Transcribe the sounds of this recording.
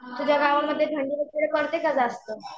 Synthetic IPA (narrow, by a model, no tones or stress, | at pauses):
t̪ud͡ʑjaɡaʋaməd̪ʱːjeʈʰəɳɖiːʋəkːiɭekəɽt̪ekəd͡zaəst̪əː